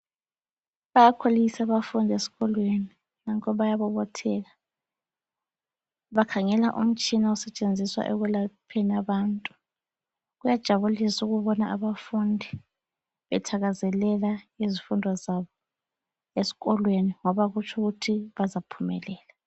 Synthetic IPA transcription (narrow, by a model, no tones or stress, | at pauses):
βajakʰolisaβafundʱesi̥ɣɔlweni | naŋkʰʼɔβajaβɔβɔtʰɛɣa | βakʰaŋɛlaʔṵm̩t͡ʃʼinausɛt͡ʃʼend͡zʱiswa̰ʔɛɣulapʰenaβaːntʼu̥ | ɣujad̥ʒ̥ʱaβulisuɣuβɔnaʔaβafundʱi | βɛtʰaɣazɛlɛlaizifundʱɔzaβɔ | esi̥ɣɔlweniŋɔβaɣut͡ʃʰuɣutʰiβazapʰumɛ̰lɛːla